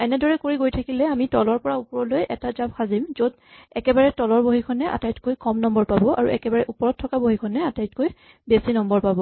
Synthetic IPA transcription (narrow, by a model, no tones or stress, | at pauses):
ɛnɛdɔɹɛkoɹiɡojtʰakilɛamitɔlɔɹpɔɹaupɔɹɔlojʔɛtazap̚xʰazimzod | ɛkɛbaɹɛtɔlɔɹboɦikʰɔnɛʔa̰tajtkojkɔmnɔmbɔɹpabɔʔa̰ɹṵʔɛ̰kɛbaɹɛʔupɔɹɔt̚tʰːɔkaboɦikʰɔnɛatajt̚koj | besinɔmbɔɹpabɔ